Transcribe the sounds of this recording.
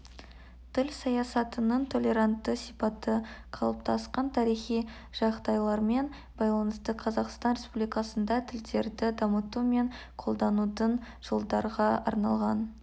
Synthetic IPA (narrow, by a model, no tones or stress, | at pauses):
t̪ʰɪlsɑjɑsɑt̪ənəɴt̪ʰo̞lʲe̞ɾant̪ːəsipɑt̪ːəqʰɑlˠəp̚t̪ʰɑsqɑnt̪ʰɑɾijχij | ʒ̥ɑqd̪ɑjlˠɑɾme̞n | bɑjlˠɑnəst̪əqʰɑzɑqst̪ɑnɾe̞spublijkɑsənd̪ɑt̪ʰɪld̪e̞ɾd̪ɪd̪ɑmət̪ume̞ŋqʰo̞lˠd̪ɑnud̪əɴ | ʒ̥olˠd̪ɑɾʁɑɑ̰ɾnɑlˠʁɑn